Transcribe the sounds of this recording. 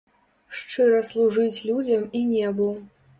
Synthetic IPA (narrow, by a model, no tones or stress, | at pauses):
ʂt͡ʂɨɾɐslˠuʐɨt͡sʲlʲud͡zʲɐminʲɛbu